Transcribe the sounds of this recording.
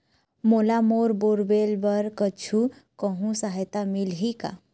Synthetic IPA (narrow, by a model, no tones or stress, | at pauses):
molamoɾboɾbelbəɾkət͡ʃʰukəɦũsaɦəjt̪amilɦika̰